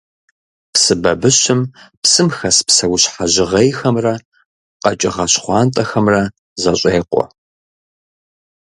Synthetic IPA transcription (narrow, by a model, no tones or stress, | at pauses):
psɨbɐbɨɕɪmpsɨmxɐspsɐwʊɕħaʑɪʁɐjxɐmrɐ | qɐt͡ʃʼɪʁɐɕχʷɑːntʼɐxɐmrɐ | zɐɕʼeːqʷʼɔ̰